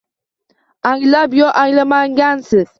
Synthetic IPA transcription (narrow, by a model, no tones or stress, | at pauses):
aŋlabjɔʔaŋlamaŋɡansɨz̥